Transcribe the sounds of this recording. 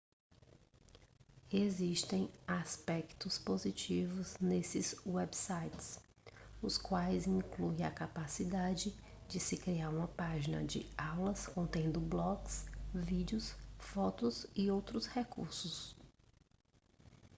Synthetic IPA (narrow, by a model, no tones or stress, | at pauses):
eziʃt̪ẽj̃aspɛkt̪ʊspozit͡ʃivʊznesɪzwɛbsajt͡ʃɪs | ʊskwajzĩŋklujɐ̰kapasid̪ad͡ʒɪ | d͡ʒɪsɪkɾiaɾũmɐpaʒinɐ̰d͡ʒɪ̰awlɐskõnt̪ẽnd̪ʊblɔɡsvid͡ʒɪʊsfɔt̪ʊzɪowt̪ɾʊshekṵɾsʊs